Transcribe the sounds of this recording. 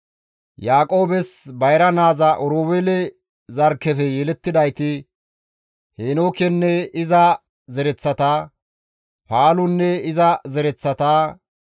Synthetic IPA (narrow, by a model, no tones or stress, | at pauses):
jaːkʼo̞ːbɛsbɐjɾɐnaːzɐʔɔɾoːwɛlɛ | zɐɾkːɛfɛjɛlɛt̪ːɪd̪ɐjt̪ɪ | heːnoːkɛnːɛɪzɐ | zɛɾɛt͡sːɐt̪aː | paːlʊnːɛɪzɐzɛɾɛt͡sːɐt̪aː